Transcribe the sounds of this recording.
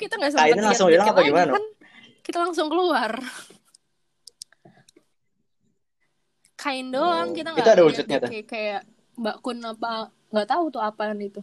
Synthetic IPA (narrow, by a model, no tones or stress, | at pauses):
kit̪aŋɡasəkainanlaŋsʊŋbilaŋapaɡimanaan | kit̪alaŋsʊŋkəluar | kʰaɪndɔŋkit̪aŋɡit̪uadaud͡ʒʊt̪̚ɲat̪ʊkajaʔ | bakʊnapa | ŋɡaʔt̪aut̪ʊapanit̪u